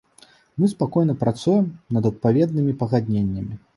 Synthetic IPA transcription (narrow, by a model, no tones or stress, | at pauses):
mɨspakɔjnɐpɾat̪sujɛmnɐd̪ɐt̪̚pavʲɛd̪nɨmʲipɐɣad̪ʲnʲenʲːɐmʲi